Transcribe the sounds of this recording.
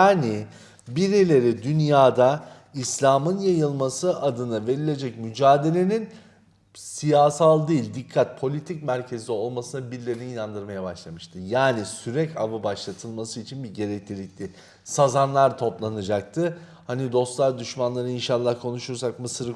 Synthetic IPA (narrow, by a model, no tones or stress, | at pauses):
jaːni | biɾelʲe̞ɾid̪ynjaːd̪a | islʲaːmɯnjajɯlˠmasɯʔad̪ɯnɯve̞ɾilʲe̞d͡ʒɛcmyd͡ʒaːd̪e̞lʲe̞nin | sijaːsalˠd̪iːlʲd̪ikʰːat̪̚pʰo̞lʲit̪ʰicmæɾcʰe̞zd̪ʲio̞lˠmasɯnɯbiɾlʲe̞ɾiniinand̪ɯɾmajabaʃlˠamɯʃt̪ʰɯjaːnisyɾɛcʰavɯbaʃlˠat̪ʰɯlˠmasɯit͡ʃʰinbiɟe̞ɾɛclʲilʲic̚lʲɪ | sazanlˠaɾt̪ʰo̞plˠanad͡ʒak̚t̪ʰɯ | hanid̪o̞st̪lˠaɾd̪yʃmanlˠaɾɯinʃalˠːahkʰo̞nuʃuɾs̬akmɯsɯɾ